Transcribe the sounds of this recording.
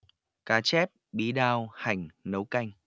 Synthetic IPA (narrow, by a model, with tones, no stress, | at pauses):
kaː˨˦t͡ɕɛ˦˥p̚ɓi˨˦ɗaː˧wha˨˩jŋ̟nə˨˦wka˧jŋ̟